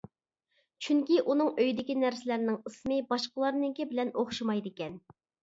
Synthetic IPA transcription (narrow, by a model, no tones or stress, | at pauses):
t͡ʃʰyŋkʲiʔunɨŋøjd̪ɪkʲinæɾsɪlæɾnɪŋɨsmɨbɑʃqəlˠɑɾnɨŋkʲibɪlɛnoχʃɑmɑjd̪ɪkʲɛn